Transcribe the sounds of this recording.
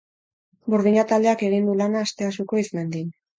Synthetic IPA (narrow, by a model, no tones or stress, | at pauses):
buɾðiɲat̪ald̪e̞ake̞ɣ̞ind̪ulanaːst̪e̞asuko̞izme̞nd̪in